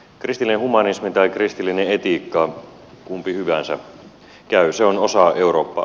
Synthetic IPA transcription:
krist̪ilːineɦhumɑnismit̪ɑikrist̪ilːineet̪ikːɑ | kumpihyʋænsæ̰ | kæyseono̞sɑe̞uɾo̞ːpːɑ̰

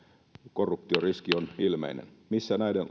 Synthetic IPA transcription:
korːupt̪ioriskionilmḛinḛnmisːænæiden

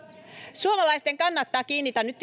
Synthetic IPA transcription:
suomɑlɑjst̪e̞ŋkɑnːɑt̪ːɑːkiːnːit̪ænnyt̪ː

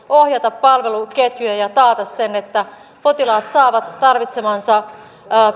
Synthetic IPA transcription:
ohjɑt̪ɑpːɑlʋe̞luket̪jyjæjɑt̪ɑːt̪ɑssenet̪ːæ | pot̪ilɑːt̪sɑːʋɑt̪tːɑrʋit̪semɑnsɑ

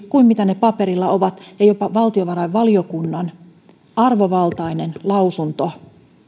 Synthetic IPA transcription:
kuimmit̪ænepɑpeɾilːɑoʋɑt̪jɑjopɑʋɑlt̪ioʋɑɾɑiʋʋɑliokunːɑn | ɑrʋoʋɑlt̪ɑinenlɑusunt̪o

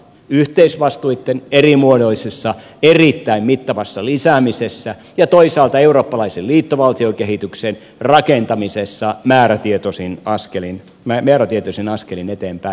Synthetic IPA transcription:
yht̪eisʋɑst̪uit̪ːenerimuodoisesːɑ | erit̪ːæimmit̪ːɑʋɑsːɑlisæmisesːæ | jɑt̪oisɑːlt̪ɑeuroːpːɑlɑiselliːt̪ːoʋɑlt̪iokeɦhit̪yksen | rɑkent̪ɑmisesːɑmæːræt̪iet̪osinɑskelin | mæmeːɾæt̪iet̪osinɑskelinet̪eːmpæi

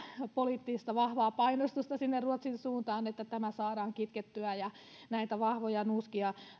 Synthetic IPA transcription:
poliːt̪ːiist̪ɑʋɑhʋɑːpɑinost̪ust̪ɑsinːerruot̪sinsuːnt̪ɑːnet̪ːæt̪æmæsɑːɾɑːŋkit̪ket̪ːyæjɑ | næit̪æʋɑhʋojɑnuskiɑ

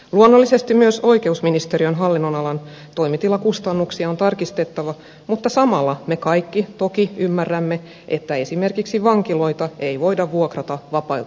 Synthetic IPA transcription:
luonːolːisest̪immyøso̞ike̞usminist̪eɾiønɦɑlːinːonɑlɑn | t̪o̞imit̪ilːˑɑkust̪ɑnːuksiɑont̪ɑrkist̪et̪ːɑʋɑ | mut̪ːɑsɑmɑlːɑme̞kɑikːit̪okiymːærːæmːe | ʔet̪ːæe̞sime̞rkiksiʋɑŋkilo̞it̪ɑeiʋo̞idɑʋʋuokrɑt̪ɑʋɑpɑi

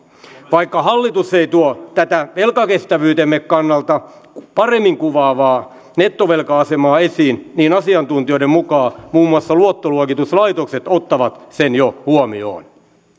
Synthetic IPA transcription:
ʋɑikːɑɦɑlːit̪useit̪uot̪æt̪æʋelkɑkest̪æʋyːt̪emːekkɑnːɑlt̪ɑ | pɑremːiŋkuʋɑːʋɑː | net̪ːoʋelkɑɑsemɑːesiːnniːnɑsiɑnt̪unt̪io̞iɾemmukɑːmuːmːuɑsːɑluot̪ːoluokit̪uslɑit̪okset̪ot̪ːɑʋɑt̪senjohuomio̰ːn

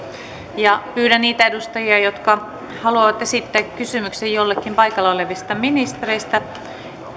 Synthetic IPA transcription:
jɑpyːɾænniːt̪æedust̪ɑjiɑjot̪kɑ | hɑluɑʋɑt̪esit̪ːækkysymyksejjolːekːimpɑikɑlːeoleʋist̪ɑminist̪ereist̪æ

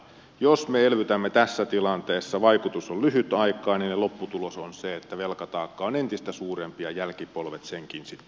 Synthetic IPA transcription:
josmeelʋyt̪æmːet̪æsːæt̪ilɑnt̪eːsːɑʋɑikut̪usollyhyt̪ɑikˑɑːninnelopːut̪ulosonseet̪ːæʋelkɑt̪ɑːkːɑonent̪ist̪æsuːrempijɑjælkipolʋet̪seŋkinsit̪ː

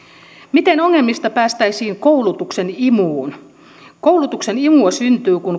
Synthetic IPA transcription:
mit̪e̞no̞ŋːe̞lmːist̪ɑpæːst̪æjsiːŋko̞wlut̪uksenimuːn | kowlut̪ukse̞nimuɑsynt̪yːkun

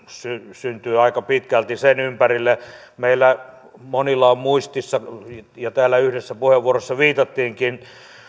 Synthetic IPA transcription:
sysynt̪yːɑikɑpit̪kælt̪isenympærilːe | meilːæ | monilːˑɑːmmuist̪isːɑjɑt̪æːlːˑæyhdesːæpuheʋʋuorosːɑʋiːt̪ɑt̪ːiːŋkin

